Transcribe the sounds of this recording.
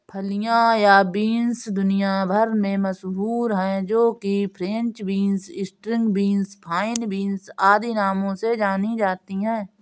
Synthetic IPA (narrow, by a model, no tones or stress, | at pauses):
pʰəlɪjãjabiːnsd̪ʊnɪjabʱəɾmẽməsbuːɾɦɛ̃d͡ʒoːkipʰɾẽnt͡ʃbiːnsɪsʈɾɪ̃ŋɡbiːnspʰaːɪnbiːnsaːd̪inaːmõsed͡ʒaːnid͡ʒaːt̪iɦɛ̃ː